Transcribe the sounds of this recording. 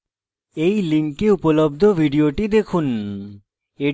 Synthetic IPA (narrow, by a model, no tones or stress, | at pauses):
ejliŋkeupolobd̪ʱobʱiɖioʈid̪ekʰun | e